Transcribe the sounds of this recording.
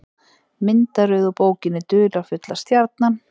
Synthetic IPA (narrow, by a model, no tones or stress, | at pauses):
mɪnt̪aɾʏðɔpoːwcɪnːɪt̪ʏːlawfʏt̪last̪jaɾt̪̚nan